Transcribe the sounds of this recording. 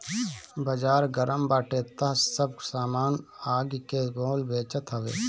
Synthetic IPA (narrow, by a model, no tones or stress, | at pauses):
bəd͡ʒaːɾɡəɾəmbaːʈet̪ɐɦsəb̚saːmaːnaːɡkeɡoːlbeːt͡ʃət̪ɦɐʋḛː